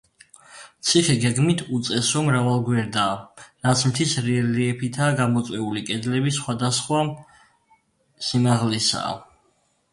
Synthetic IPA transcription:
t̪sʰiχɛɡɛɡmit̪ʰut̪sʼɛsɔmɾavalˠɡwɛɾd̪aːɾat̪sʰmt̪ʰisɾiɛliɛpʰit̪ʰaːɡamɔt̪sʼwɛulikʼɛd̪lɛbisχwad̪asχwa | simaʁlɛsa̰ː

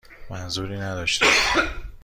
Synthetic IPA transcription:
mænzuːɾiːnæd̪ɒːʃt̪i

